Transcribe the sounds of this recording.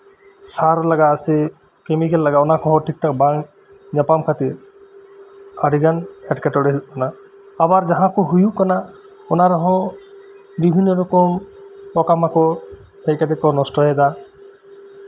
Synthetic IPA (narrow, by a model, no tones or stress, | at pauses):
saɾlaɡaːse | kemikɛlːaɡaɔnakɔɦɔʈʰik̚ʈak̚baŋ | ɲapamkʰat̪iɾ | aɖʱiɡanɛʈkaʈɔɽeɦiʔkana | abaɾd͡ʒaɦãkɔɦujuʔkana | ɔnaɾɔɦɔ̃ | bibʱinːɔɾɔkɔmpɔkamakɔ | hejkad̪ɛkɔnɔsʈɔɦɛd̪a